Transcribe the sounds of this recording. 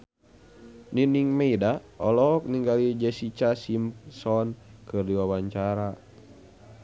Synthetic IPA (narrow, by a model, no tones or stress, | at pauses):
niniŋmɛidaɔlɔk̚niŋɡalid͡ʒɛsit͡ʃasimpsɔnkɨrdiwawaɲt͡ʃaɾa